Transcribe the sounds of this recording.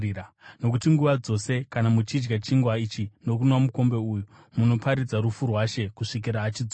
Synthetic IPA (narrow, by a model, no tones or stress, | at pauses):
ano̞k̬utiŋɡuʋad͡zo̞se̞kanamut͡ʃid͡ʒɡat͡ʃiŋɡwait͡ʃino̞kunwamuko̞mbe̞uːju | muno̞paɾid͡zaɾufurwaʃe̞kuʂik̬iɾaːt͡ʃid͡zo